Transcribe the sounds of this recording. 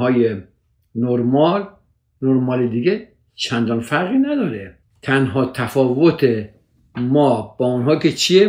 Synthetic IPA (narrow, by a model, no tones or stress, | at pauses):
ɒːje | noɾmɒl | noɾmɒːled̪iɡe | t͡ʃʰænd̪ɒːnfæɾɣiːnæd̪ɒːɾe | t̪ʰænɦɒːt̪ʰæfɒːvot̪ʰe | mɒːb̥ɒːunɦɒːkʲet͡ʃʰie